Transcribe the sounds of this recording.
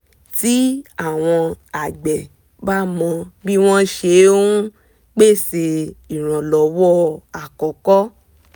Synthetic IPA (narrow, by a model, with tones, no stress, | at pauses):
ti˨˦a˦˨w̃ɔ̃˧a˨ɡ͡bɛ˨ | ba˦mɔ̃˧bi˦w̃ɔ̃˦ʃe˧˦o˦ũ˦ | ɡ͡be˦˨se˧i˨ɾ̃ã˨lɔ˨wɔ˦a˨kɔ˨kɔ˦